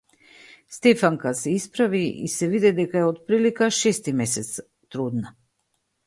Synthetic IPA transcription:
st̪ɛfaŋkasɛispɾaviḭsɛvid̪ɛd̪ɛkaɛot̪pɾilikaʃɛst̪imɛsɛt̪s | t̪ɾud̪na

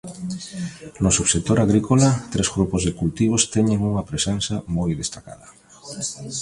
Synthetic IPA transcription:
nʊsuβset̪oɾaɣɾikolat̪ɾezɣɾupʊzðeɪkult̪iβ̞ʊst̪ɛɲeŋuŋɐpɾesensɐmojðest̪aka̰ðɐ

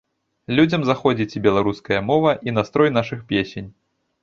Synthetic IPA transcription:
lʲud͡zʲɐmzaxɔd͡zʲit͡sʲibʲɛlˠaɾuskɐjɐmɔvɐʔin̪ast̪ɾɔjnaʂɨxpʲesʲenʲ

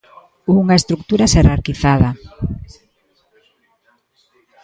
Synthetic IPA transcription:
uŋaest̪ɾuk̚t̪uɾaseraɾkiθaða

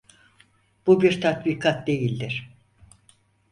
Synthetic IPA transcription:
b̥ubiɾt̪ʰat̪bikʰat̪̚d̪e̞jilʲd̪ɪɾ̥

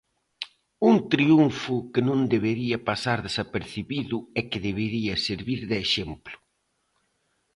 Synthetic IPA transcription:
uŋt̪ɾiuɱfʊkɪnõnd̪eβeɾiɐpasaɾðesapeɾθiβiðʊɛkɪðeβeɾiɐseɾβiɾðɪːʃemplʊ̥

